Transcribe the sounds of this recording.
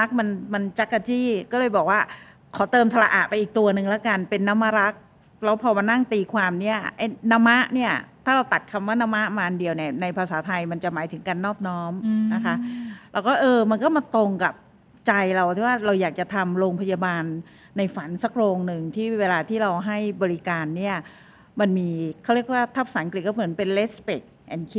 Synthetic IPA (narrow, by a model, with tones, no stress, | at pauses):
a˦˥k̚ma˧nma˧nt͡ɕa˦˥kːa˧t͡ɕiː˥˩kɔː˥˩lɤː˧jbɔː˨˩k̚waː˥˩ | kʰɔː˩˦t̪ɤː˧msʰa˧la˧ʔaː˨˩t̪̚pa˧jʔiː˨˩k̚t̪u˧ɐnɯ˨˩ŋlɛ˦˥ka˧npe˧nːa˦˥mːa˧˥ɾa˦˥k̚ | lɛː˦˥wpʰɔː˧ma˧nːa˥˩ŋt̪iː˧kʰwaː˧mni˦˥˩ɐʔa˦˥jna˦˥mːa˦˥ʔni˥˩ɐt̪ʰaː˥˩ɾa˧wt̪a˨˩t̪̚kʰa˧mwaː˥˩na˦˥ma˦˥ʔmaː˧ʔa˧ndi˧əwni˥˩ɐna˧jpʰa˧saː˩˦t̪ʰa˧jma˧nt͡ɕa˨˩maː˩˦jt̪ʰɯ˩˦ŋka˧nːɔː˥˩p̚nɔː˦˥mna˦˥kʰa˦˥ʔlɛ˦˥wkɔː˥˩ʔɤː˧ma˧nkɔː˥˩maː˧t̪o˧ŋka˨˩p̚ | t͡ɕa˧jɾa˧wt̪ʰiː˥˩waː˥˩ɾa˧wjaː˨˩k̚t͡ɕa˨˩t̪ʰa˧mɾoː˧ŋpʰa˧jaː˧baː˧nː | a˧jfa˩˦nsa˨˩k̚ɾoː˧ŋnɯ˨˩ŋt̪ʰiː˥˩weː˧laː˧t̪ʰiː˥˩ɾa˧wɦa˥˩jbɔː˧ɾi˦˧kaː˧nːi˥˩ɐ | ma˧nmiː˧kʰa˥˩wɾi˥˩ək̚waː˥˩t̪ʰa˦˥˩p̚saː˨˦nkli˨˩kɔː˥˩mɯ˩˦npe˧nle˦˥spe˨˩k̚ʔɛ˧˩nkʰi˦˥